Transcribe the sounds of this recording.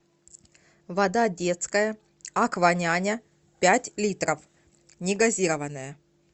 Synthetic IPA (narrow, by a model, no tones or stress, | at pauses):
vɐd̪adʲe̞t̪skəjə | ɐkvɐnʲanʲə | pʲætʲlʲit̪ɾəf | nʲɪɡɐzʲiɾəvənːəjə